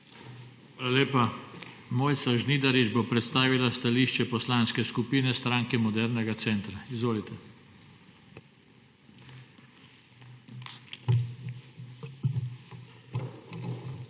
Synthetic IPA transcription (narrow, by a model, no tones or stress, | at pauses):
laleːpa | moːjt̪saʒniːd̪aɾid͡ʒbopɾɛt̪st̪aːʋilast̪aliːʃt͡ʃɛpɔslaːnskɛskupiːnɛst̪ɾaːŋkɛmɔd̪ɛɾnɛɡat̪sɛnt̪ɾaizʋoːlit̪ɛ